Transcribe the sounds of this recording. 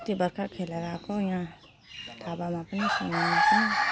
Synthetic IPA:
t̪ibəɾkʰakʰeleɾakojɦã | t̪ʰabamãpnisə̰mat͡ʃʰĩ

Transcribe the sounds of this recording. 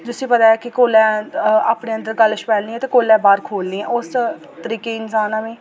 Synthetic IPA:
t̪ʊsĩːpət̪aːɛːkɪkoːlɛ̃ːaːpɽeːə̃nd̪əɾkəlːʃpɛːlnĩːɛ̃ːt̪eːkoːlɛ̃ːbaːɾkʰoːlnĩːɛ̰̃ːʊs | t̪əɾiːkeːɪnsaːnaːʋẽː

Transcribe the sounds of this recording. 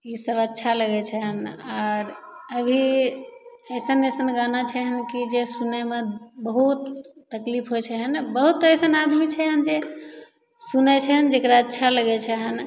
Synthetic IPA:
isəbətːʃʰaləɡɛt͡ʃʰəɦənaɾəbʱi | əjsənəjsənɡanat͡ʃʰɛɦənkid͡ʒesunɛmebəɦut̪ːəklipʰɦojt͡ʃʰɛɦənbəɦut̪əjsənad̪ʱmit͡ʃʰɛɦənd͡ʒe | sunɛt͡ʃʰɛɦənd͡ʒekɾaətːʃʰaləɡɛt͡ʃʰɛɦən

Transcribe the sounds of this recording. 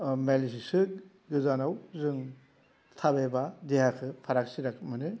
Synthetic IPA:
melsisɯ | ɡɯzanawzɯŋ | tʰabebadeɦakʰɯpʰaɾak̚siɾakʰmɯnɯ

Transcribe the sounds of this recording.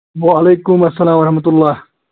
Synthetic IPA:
waʔɐlejkʊmɐsːɐlaːmɐɾɐhmɐt̪ʊlːaːh

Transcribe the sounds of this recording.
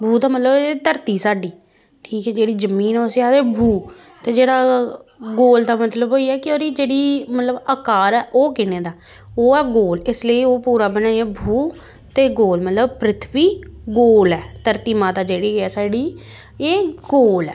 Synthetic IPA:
bʱuːd̪aːmət̪ləbet̪əɾt̪iːsaːɖiː | ʈʰiːkɛːd͡ʒeːɽiːzəmiːnosiaeːbʱuː | t̪eːd͡ʒeːɽaːɡoːld̪aːmət̪ləbɦoːiɛːkɪoːɾiːd͡ʒeːɽiːmət̪ləbəkaːɾɛːʔoːkɪneːd̪aː | oːɛːɡoːlɪsleiːoːpuːɾaːbənaːiɛːbʱuː | t̪eːɡoːlmət̪ləbpɾɪt̪ʰʋiːɡoːlɛːt̪əɾt̪iːmãːt̪aːd͡ʒeːɽiːɛːsaːɖiː | eːɡoːlɛː

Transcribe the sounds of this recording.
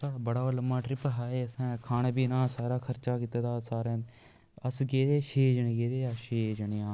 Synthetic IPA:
saːɽaːbəɽaːələmːaːʈɾɪpɦaːeːəsãːkʰaːñaːbiːnãːsaːɾaːkʰəɾt͡ʃaːkiːt̪aːd̪aːsaːɾẽː | əsɡeːd̪eːʃeːd͡ʒɳẽːɡeːd̪eːjaːʃeːd͡ʒɳejãː

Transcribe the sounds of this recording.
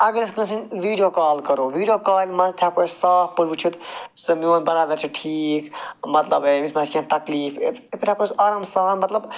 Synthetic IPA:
ɐɡəɾisknɐsinʋiːɖijokaːlkɐɾoːʋiːɖijoːkaːlʲmɐst̪ʰjakoːt͡ʃsaːfpuɾʋut͡ʃʰut̪sɐmijoːnbɐɾaːd̪ɐɾt͡ʃʰiʈʰiːkmɐt̪lɐbeismɐ̃skʲiãt̪ɐkliːfepiʈʰakoːsaːɾɐmsaːnmɐt̪lɐb

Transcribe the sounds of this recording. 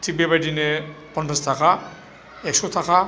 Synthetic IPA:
tʰibɛbajdine | pɔnt͡sastʰaka | ɛksɔtʰaka

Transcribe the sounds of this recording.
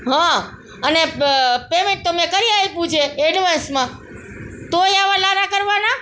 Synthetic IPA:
ɦã | ənepemẽɳʈ̚t̪omɛ̃kəɾiajpũt͡ʃʰeːɖʋansmã | t̪oiaʋalaɾakəɾʋana

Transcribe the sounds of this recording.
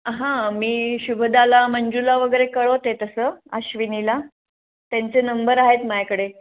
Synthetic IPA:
ɦãmiːɕubʱəd̪alaməɲd͡ʑulaʋəɡəjɾekəɭot̪et̪əsəːaɕʋinila | t̪jaɲt͡senəmbəɾaɦet̪majkəɽe

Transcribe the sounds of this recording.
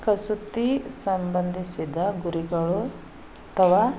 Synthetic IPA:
kɐsut̪ːisɐmbɐnd̪ʱisid̪ɐɡuɾiɡɐɭu | ɐt̪ʰɐʋaː

